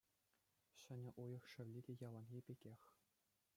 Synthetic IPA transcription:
ɕɘ̆nʲɘ̆ʔujɤ̆χʂɘ̆ʋʲlʲidʲejɑlˠɑnɣʲipʲeɡʲexʲ

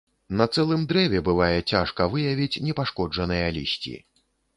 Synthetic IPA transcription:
nɐt̪sɛlˠɨmd̪ɾɛvʲɛbɨvajɛt͡sʲaʂkɐvɨjavʲit͡sʲnʲɛpaʂkɔd͡ʐɐnɨjɐlʲḭsʲt͡sʲḭ

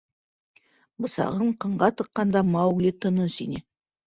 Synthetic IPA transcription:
bəsɑ̰ʁəɴqʰəɴɢɑt̪əqːɑnd̪ɑmɑwɡlet̪ʰənəsḭne

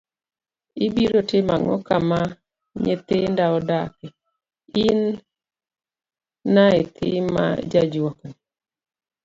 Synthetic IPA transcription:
ɪbiɾotɪmaŋɔ̰kama | ɲḛt̪endaɔdakɛ | in | aet̪ʰɪ̰ma̰d͡ʒad͡ʒwɔkni

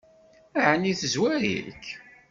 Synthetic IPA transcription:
æʕənːiθəzwæɾḭɾkː

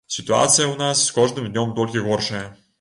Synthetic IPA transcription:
sit̪ua̰t̪sijəʊnasskɔʒd̪əmd̪nʲɔmd̪ɔlʲkʲiɣɔɾʃəjə

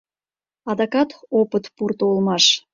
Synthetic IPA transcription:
ɑd̪ɑkɑt̪opət̪purt̪oulmɑʃ

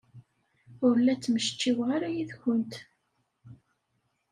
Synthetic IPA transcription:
ʊɾlːæt͡sːməʃt͡ʃːiwʁaɾæjiðçʷʊnt̪

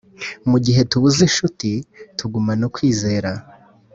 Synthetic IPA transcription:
muɟiɦe̞tuβuziʃutitʰuɡumanokwiːze̞ːɾa

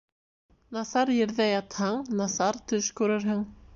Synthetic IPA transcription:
nasaɾjɪɾðɛjat̪haŋnasaɾt̪ʰʏskʏɾaɾɦaŋ

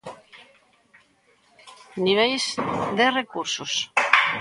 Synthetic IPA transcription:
niβ̞ejzd̪erekuɾsus

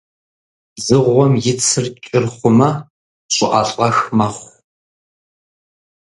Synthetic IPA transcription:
zɨʁʷːɔmjɪt͡sʰɨrt͡ʃʼɪrχʷʊmɐ | ɕʷʼʊʔaːɬʼɐxmɐχʷ

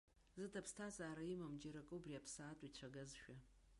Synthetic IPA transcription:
zɨtʰɐpstʰaːzaːɾɐjimɐmd͡ʒɪɾɐkʼɨubriapʰsaːtʷʼit͡ʃʷʰɐɡɐzʃʷᶣa

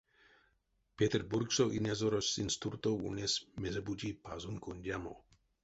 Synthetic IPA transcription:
pet̪erburksoʔinʲazoɾosːinst̪urt̪oṵnʲesmezebud͡ʒipʰazunkunʲdʲamo̰

